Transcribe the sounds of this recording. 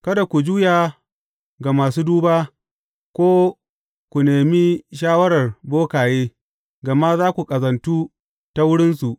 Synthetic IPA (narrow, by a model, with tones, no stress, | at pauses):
kɐ˦da˨kʷu˨d͡ʒuː˦jaː˨ | ɡa˨maː˨suː˦duː˦baː˦ | kʷoː˦ | kʷu˨neː˨mi˦ʃaː˦wɐ˦ɽɐ˨rboː˦kaː˨jeː˦ | ɡɐ˨ma˦zaː˦kʷu˨kʼɐ˨zɐ˨ntuː˦ | ta˦wʊ˦ɽɪ˦nsu˨ʔ